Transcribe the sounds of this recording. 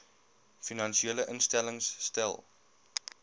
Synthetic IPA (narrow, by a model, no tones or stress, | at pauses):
finɐnʃieːləʔənstæləŋsːtæ̰lˠ